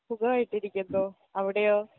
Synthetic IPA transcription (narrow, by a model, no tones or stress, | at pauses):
uɡɐʋaːjiʈːiɾikʲːund̪oː | ɐʋiɽejoː